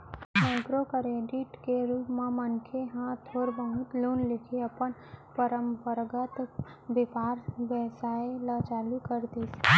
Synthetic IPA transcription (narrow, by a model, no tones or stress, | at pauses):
ɛ̃ːɡɾokəɾeːɖɪʈkeɾuːpmẽmənkʰeɦãt̪ʰːoːɾbəɦʊ̃t̪loːnlekʰeəpənpəɾəmpəɾɡət̪ | bepaːɾbəsaːelət͡ʃaːlukəɾd̪is